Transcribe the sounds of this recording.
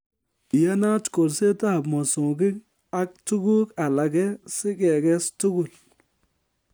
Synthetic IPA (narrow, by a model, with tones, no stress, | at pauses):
ja˦na˦tko˨lse˦ta˦˨bmɔ˨so˨ɡɪ˦k | a˦k̚tu˦ɡu˦ka˨la˨ɡɛ˦sɪ˦kɛ˨ɡɛ˦stu˦ɡu˨l